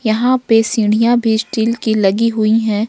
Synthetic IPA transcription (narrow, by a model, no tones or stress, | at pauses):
jɐɦãpesɪ̃ɽijabʱisʈiːlkilɐɡiɦʊiɦɛ̃ː